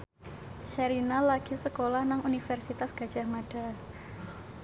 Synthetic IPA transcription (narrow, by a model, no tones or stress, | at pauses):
ʃaɾinalaɡ̥i̤səkolahnaŋunifɛrsit̪asɡ̥ad̥ʒ̥a̤hmaɖ̥a